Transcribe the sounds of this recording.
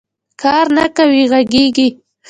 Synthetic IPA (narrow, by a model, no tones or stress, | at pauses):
kɑɾnakawiɣaɡeɡi